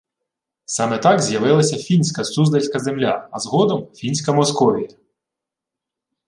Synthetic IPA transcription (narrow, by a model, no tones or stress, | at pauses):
sɑmɛt̪ɑkzʲjɐʋɪlˠɐsʲɐfʲinʲsʲkɐsuzd̪ɐlʲsʲkɐzemlʲa̰ɐzɦɔd̪ɔmfʲinʲsʲkɐmɔskɔʋʲijɐ